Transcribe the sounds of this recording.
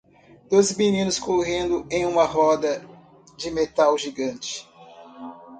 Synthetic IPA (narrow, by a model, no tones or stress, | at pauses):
d̪̥ojzminĩnʊskoɦẽnd̪ʊẽj̃ũmɐɦɔd̪ɐ | d͡ʒɪmet̪awʒiɡɐ̃nt͡ʃɪ̥